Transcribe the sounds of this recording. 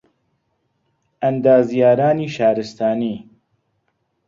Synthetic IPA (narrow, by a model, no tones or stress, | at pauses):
ʔɐnd̪aːzijaːɾaːniːʃaːɾɨst̪ʰaːniː